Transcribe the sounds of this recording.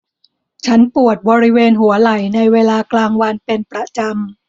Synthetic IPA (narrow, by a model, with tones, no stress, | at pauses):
t͡ɕʰa˦˥npu˨˩ət̪̚bɔː˧ɾi˦˥weː˧nɦu˩˦ɐla˨˩jna˧jweː˧laː˧klaː˧ŋwa˧npe˧npɾa˧t͡ɕa˧m